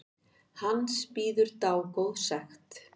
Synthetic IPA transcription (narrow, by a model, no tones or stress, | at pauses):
hanspiːðʏɾt̪aːwkowðsaxt̪